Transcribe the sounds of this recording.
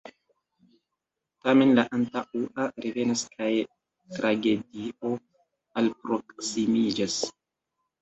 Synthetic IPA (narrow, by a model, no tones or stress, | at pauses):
tame̞nlaʔantaʔuʔaɾeve̞naskʰaj | tɾʔaɡe̞dio̞ | alpɾo̞ksimid͡ʒas